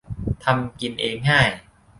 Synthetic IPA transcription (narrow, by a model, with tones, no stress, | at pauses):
t̪ʰa˧mki˧nʔeː˧ŋːaː˥˩j